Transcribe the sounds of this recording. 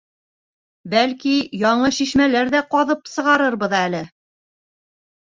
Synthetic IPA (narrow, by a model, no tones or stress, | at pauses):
bælkijɑɴɤʃiʃmælæɾðæqɑðɤpsɤ̆ʁɑɾɤɾbɤ̆ðælɘ